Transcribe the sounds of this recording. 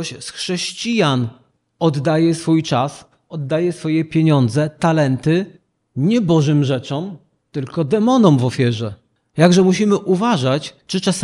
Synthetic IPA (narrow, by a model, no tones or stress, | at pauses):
ɕsxʂɛɕt͡ɕijan | ɔd̪ːajɛsfujt͡ʂas | ɔd̪ːajɛsfɔjɛpʲjeɲɔnd̪zɛt̪alɛnt̪ɘ | ɲɛbɔʐɘmʐɛt͡ʂɔm | t̪ɘlkɔd̪ɛmɔnɔmvɔfʲjɛʐɛ | jaɡʐɛmuɕimɘʔuvaʐat͡ɕ | t͡ʂɘt͡ʂas